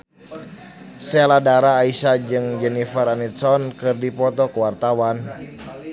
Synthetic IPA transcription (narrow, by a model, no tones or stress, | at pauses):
sɛladaɾaːisad͡ʒɨŋd͡ʒɛnifəɾanit̪sɔnkɨrdipɔt̪ɔkuwart̪awan